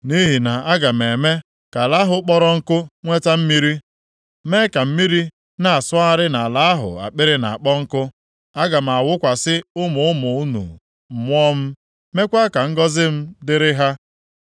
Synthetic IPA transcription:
ni˦ɦi˨na˨a˦ɡa˨m̩˨e˨me˦ | ka˨la˦ɦʊ˦k͡pɔ˦ɾɔ˦ŋ̩˦kʊ˦ŋʷe˦ta˦m̩˦mi˦ɾi˦ | me˦ka˨m̩˦mi˦ɾi˦ | na˨a˨sʊ˦a˦ɾɪ˦na˨la˦a˦ɦʊ̰˨a̰˨k͡pɪ˦ɾɪ˦na̰˨k͡pɔ˦ŋ̩˦kʊ˦ | a˦ɡa˨m̩˨a˨wʊ˦kʷa˨sɪ˦ʊ˦mʊ˨ʊ˦mʊ˨u˦nṵ˨ | mʷ˦ɔ˦m̩˦ | me˦kʷa˦ka˨ŋ̩˦ɡɔ˦zɪ˦m̩˦dɪ˦ɾɪ˦ɦa˦

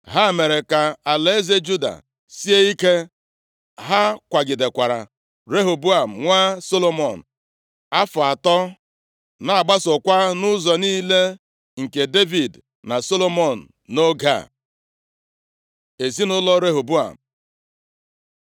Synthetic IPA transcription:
ɦa˦˨me˨ɾe˨ka˨a˨le˨˦e˦ze˦d͡ʒu˦da̰˨ | si˦e˦i˦ke˦ | ɦa˦kʷa˨ɡɪ˨de˨kʷa˨ɾa̰˨ | ɾe˦ɦo˨bu˦a˨m̩˨ŋʷa˦so˦lo˦mɔ˨n̩˨ | a˦fʊ˨a˨tɔ˦ | na˨a˨ɡ͡ba˦sʊ˨kʷa˦nʊ˦zɔ˨niː˦le˦ | ŋ̩˨ke˨de˦vi˨d | na˨so˦lo˦mɔ˨n̩˨no˦ɡa̰˦˨ | e˨zi˦nʊ˦lɔ˦ɾe˦ɦo˨bu˦a̰˨m̩˨

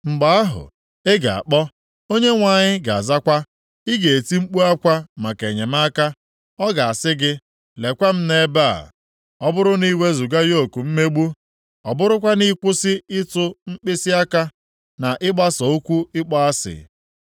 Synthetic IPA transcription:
ŋ͡m̩˨ɡ͡ba˦a˦ɦʊ̰˨ | e˦ɡa˨a̰˨k͡pɔ˦ | o˦ɲe˦ŋʷa˨ɲɪ˦ɡa˨a̰˨za˦kʷa˦ | ɪ˦ɡe˨e˨ti˦ŋ͡m̩˦k͡pu˦a˦kʷa˦ma˨ke˨ɲe˨ma˦ka˦ | ɔ˦ɡa˨a˨sɪ˦ɡɪ˦ | le˨kʷa˦m̩˦ne˦ba̰˦˨ | ɔ˦bʊ˦ɾʊ˦ni˦we˦zu˨ɡa˦jo˦˨ku˨m̩˦me˦ɡ͡bu˦ | ɔ˨bʊ˦ɾʊ˦kʷa˦ni˦kʷʊ˦sɪ˦ɪ˦tʊ˦ŋ͡m̩˦k͡pɪ˦si˦a˦ka˦ | na˨ʔɪ˦ɡ͡ba˦sɔ˨u˦kʷu˦ɪ˦k͡pɔ˦a˦sɪ̰˨

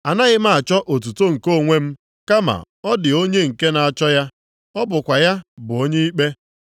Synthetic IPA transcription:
a˨na˦ɣɪ˦ma˦a˨t͡ʃɔ˦ʔo˨t̬u˨to˦ŋ̩˨ko˦˨ŋʷe˦m̩˦ | ka˦ma̰˨ | ɔ˦dɪ˨o˦ɲe˦ŋ̩˨ke˦na˨a˨t͡ʃɔ˦ja˦ | ɔ˦bʊ˨kʷa˨ja˦bʊ˨o˦ɲe˦i˦k͡pe˦

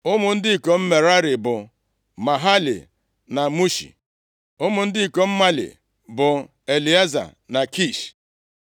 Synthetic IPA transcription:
ʊ˦mʊ˨n̩˦dɪ˦i˨ko˨m̩˦me˨ɾa˦ɾɪ˨bʊ˨ | ma˨ɦa˦lḭ˨ | na˨mu˦ʃḭ˨ | ʊ˦mʊ˨n̩˦dɪ˦i˨ko˨m̩˦ma˦lḭ˨ | bʊ˨ | e˨li˨a˦za̰˨na˨ki˦˨ʃ

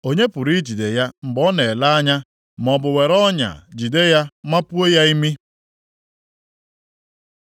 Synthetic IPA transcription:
o˦ɲe˦pʊ˨ɾi˦d͡ʒi˨de˨ja˦ŋ͡m̩˨ɡ͡bɔ˦ne˨la˦a˦ɲa˦ | m˨ɔ˨bʊ˨we˨ɾɔ˦ɲa̰˨d͡ʒi˨de˦ja˦ma˦pu˦e˦ja˦i˦mi˦

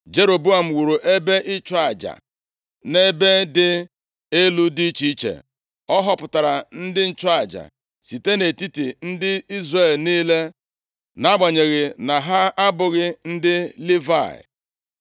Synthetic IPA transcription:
d͡ʒe˦ɾo˨bu˦a˨m̩˨wu˨ɾu˨ʔe˦be˦ʔɪ˦t͡ʃʊ˦a˨d͡ʒa̰˨ | ne˦be˦dɪ˦ | e˦lu˦di˦t͡ʃi˦i˦t͡ʃḛ˨ | ɔ˦ɦɔ˦pʊ˨ta˨ɾa˨n̩˦dɪ˦n̩˦t͡ʃʊ˦a˨d͡ʒa̰˨ | si˨te˦ne˨ti˦ti˨n̩˦dɪ˦i˦zre˦˨lniː˦le˦ | na˦ɡ͡ba˨ɲe˨ɣɪ˨na˨ɦa˦a˦bʊ˨ɣɪ˦n̩˦dɪ˦li˦va̰˨ɪ̰˨

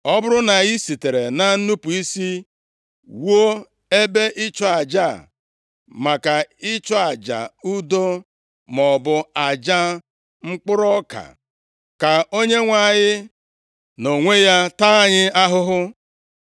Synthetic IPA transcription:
ɔ˦bʊ˦ɾʊ˦na˨i˦si˨te˨ɾe˨na˨n̩˦nu˦pu˨i˦si˦ | wo˦ | e˦be˦ʔɪ˦t͡ʃɔ˦a˨d͡ʒa˦˨ | ma˨ka˨ɪ˦t͡ʃɔ˦a˨d͡ʒa̰˨u˦do˦ | mɔ˨bʊ˨a˨d͡ʒa˦ | ŋ͡m̩˦k͡pʊ˦ɾɔ˦ka̰˨ | ka˨o˦ɲe˦ŋʷa˨ɲɪ˦ | no˨ŋʷe˦ja˦ta˦a˦ɲɪ˦a˦ɦʊ˦ɦʊ˦

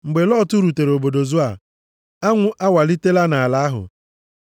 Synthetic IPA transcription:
ŋ͡m̩˨ɡ͡be˨lɔ˦tu˦ɾu˨te˨ɾo˨bo˨do˨zu˦a˨ | a˦ŋʷʊ˦ʔa˦wa˨li˦te˦la˦na˨a˨la˨a˦ɦʊ̰˨

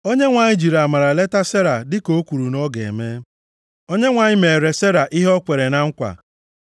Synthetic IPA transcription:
o˦ɲe˦ŋʷa˨ɲɪ˦d͡ʒi˨ɾa˨ma˨ɾa˨le˦ta˦se˦ɾa˨dɪ˦ko˦kʷu˨ɾu˨nɔ˦ɡḛ˨me˦ | o˦ɲe˦ŋʷa˨ɲɪ˦me˨e˨ɾe˨se˦ɾa˨ʔi˦ɦɔ˦kʷe˨ɾe˨na˨ŋ̩˦kʷa̰˨

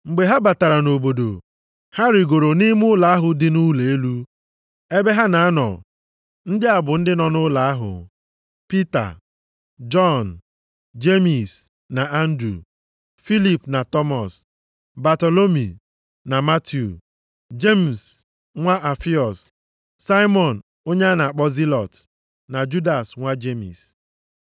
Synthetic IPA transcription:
ŋ͡m̩˨ɡ͡be˨ɦa˦ba˨ta˨ɾa˨no˨bo˨do̰˨ | ha˦ɾɪ˨ɡo˨ɾo˨ni˦m˦ʊ˦la˨a˦ɦʊ˨dɪ˦nu˦le˨e˦lu˦ | e˦be˦ɦa˦na˨a˦nɔ̰˨ | n̩˦dɪ˦a˨bʊ˨n̩˦dɪ˦nɔ˨nʊ˦la˨a˦ɦʊ̰˨ | pi˦ta̰˨ | d͡ʒɔ˦˨n | d͡ʒe˦mi˨s | na˨a˦n̩˦dɾu˨ | fi˦li˨pna˨tɔ˦mɔ˨s | ba˨to˨lo˦mi˨ | na˨ma˦tʰju˨ | d͡ʒe˦m̩˨s | ŋʷa˦ʔa˨fi˦ɔ˨s | sa˦jmɔ˨n̩˨ | o˦ɲe˦a˦na˨a˨k͡pɔ˦zi˦lɔ˨t | na˨d͡ʒu˦da˨sŋʷa˦d͡ʒe˦mḭ˨s

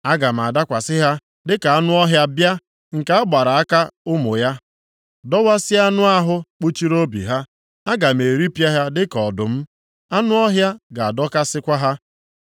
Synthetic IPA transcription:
a˦ɡa˨m̩˨a˨da˦kʷa˨sɪ˦ɦa˦ | dɪ˦ka˨a˦nʊ˦ɔ˦ɦja˦bja˦ | ŋ̩˨ka˦a˦ɡ͡ba˨ɾa˨a˦ka˦ʊ˦mʊ˨ja˦ | dɔ˦wa˦sɪ˦a˦nʊ˦a˦ɦʊ˦k͡pu˦t͡ʃi˦ɾo˦bḭ˨ɦa˦ | a˦ɡa˨m̩˨e˨ɾi˦pja˦ɦa˦dɪ˦kɔ˨dʊ˨m̩˦ | a˦nʊ˦ɔ˦ɦja˦ɡa˨a˨dɔ˦ka˦sɪ˦kʷa˦ɦa˦

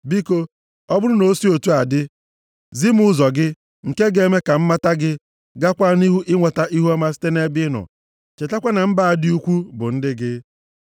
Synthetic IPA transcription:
bi˦ko˦ | ɔ˦bʊ˦ɾʊ˦no˨˦si˦o˨tu˦a˨dɪ˦ | zi˦mʊ˦zɔ˨ɡɪ˦ | ŋ̩˨ke˦ɡe˦me˦ka˨m̩˦ma˦ta˦ɡɪ˦ | ɡa˦kʷa˦ni˦ɦu˦ʔɪ˦ŋʷa˨ta˦ʔi˦ɦu˦a˦ma˦si̥˦te˦ne˦bɪ˦nɔ̰˨ | t͡ʃe˨ta˦kʷa˦na˨m̩˦ba˦˨a˨dɪ˦u˦kʷu˦bʊ̰˨n̩˦dɪ˦ɡɪ˦

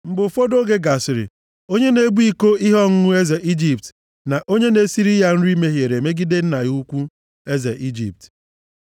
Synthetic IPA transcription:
m̩˨ɡ͡bʊ˨fo˦do˦ɡe˦ɡa˨sɪ˨ɾɪ̰˨ | o˦ɲe˦ne˦bu˦i˦ko˦i˦ɦɔ˦ŋ̩˦ŋʊ˦e˦ze˨ʔi˦d͡ʒi˨p̚t | na˨ʔo˦ɲe˦ne˨˦si˦ɾi˦ja˦n̩˦ɾi˦me˦ɦje˨ɾe˨me˦ɡi˦de˦n̩˦na˨ju˦kʷu˦ | e˦ze˨ʔi˦d͡ʒḭ˨p̚t

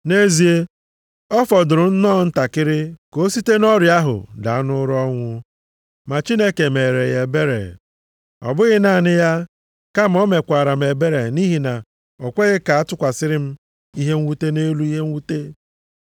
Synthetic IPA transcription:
ne˦zi˨e˦ | ɔ˦fɔ˨dʊ˨ɾʊ˨n̩˦nɔ˦˨n̩˦ta˨kɪ˦ɾɪ˦ko˦si˦te˦nɔ˦ɾja˦ɦʊ̰˨da̰˨˦nʊ˦ɾɔ˦ŋʷʊ˦ | ma˨t͡ʃi˦ne˦ke˨me˨ɾe˨je˨be˦ɾḛ˨ | ɔ̰˨bʊ˦ɣɪ˦na˦˨nɪ˦ja˦ | ka˦m̩˨ɔ˦me˨kʷa˨ɾa˨m̩˨e˨be˦ɾe˨ni˦ɦi˨na˨ | ɔ˨kʷe˦ɣɪ˦ka˨a˦tʊ˦kʷa˨sɪ˦ɾɪ˦m̩˦ | i˦ɦe˦ŋ̩˦wu˦te˦ne˦lu˦i˦ɦe˦ŋ̩˦wu˦te˦

